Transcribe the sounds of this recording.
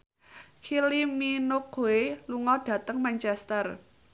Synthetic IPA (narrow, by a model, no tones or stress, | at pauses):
kʰiliminʊkoeluŋɔd̥ä̤t̪əŋmaɲt͡ʃɛst̪ər